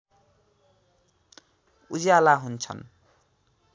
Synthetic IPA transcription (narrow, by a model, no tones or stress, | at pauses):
ud͡zjalaɦunt͡sʰʌ̰n